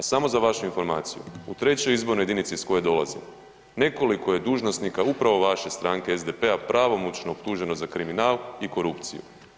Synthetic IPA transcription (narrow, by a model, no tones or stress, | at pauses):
asamo̞zaʋaʃuinfo̞ɾmaːt̪sijṵut̪ɾe̞t͡ɕo̞jizbo̞ɾnojed̪init̪sisko̞jed̪o̞lazim | ne̞ko̞liko̞je̞d̪uːʒno̞snikaupɾaʋo̞ʋaʃe̞st̪ɾaːŋkeezd̪epe̞apɾʔaʋo̞mot͡ɕnoːpt̪uːʒe̞no̞zakɾiminaːliko̞ɾupt̪sḭjṵ